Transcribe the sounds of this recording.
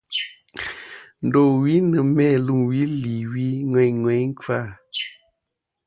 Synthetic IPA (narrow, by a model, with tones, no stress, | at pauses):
n̩˨do˨wi˦nə˨mɛ˦˨lu˦˨mwi˦li˨wi˦ŋwɛ˨ɲŋwɛ˨˦jŋ̩˦ka˦˨